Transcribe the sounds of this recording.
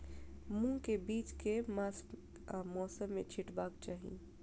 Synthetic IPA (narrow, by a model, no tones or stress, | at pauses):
mũkebiːt͡ʃkemas | mɔːsəmːḛ̃t͡ʃʰɪʈbaːkt͡ʃaːɦḭ